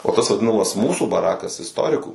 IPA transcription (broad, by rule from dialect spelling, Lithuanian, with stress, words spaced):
oː ˈtɐs ʋɐˈdʲɪnɐmɐs ˈmuːsuː bɐˈrɑːkɐs ɪsˈtoːrʲɪkuː